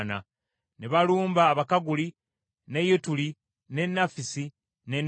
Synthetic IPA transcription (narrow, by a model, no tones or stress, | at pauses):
na̰ | neβaluːmbaːβakaɡuli | ne̞jutuli | ne̞nːafisi | nen